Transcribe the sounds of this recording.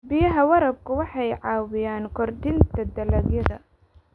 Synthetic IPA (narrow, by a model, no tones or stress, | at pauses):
bɪjɐɦɐwɐɾɐb̚kʰʊwɑħɑjʕɑːwɪjaːnkʰɔrd̪ɪnt̪ʰɐd̪ɐlɐɡjɐðɐ̰